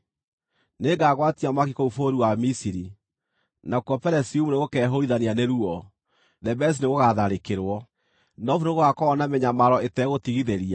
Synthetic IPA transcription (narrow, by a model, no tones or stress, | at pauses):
neɡaɣwatiamakikoufoɾiwamisiɾi | nakɔpɛɾɛsiumuneɣokɛɦoiðanianeɾuɔ | ðɛbɛs̬ineɣoɣaðaɾekeɾwɔ | nɔfunoɣoɣakɔːnameɲamaɾɔetɛɣotiɣiðeɾia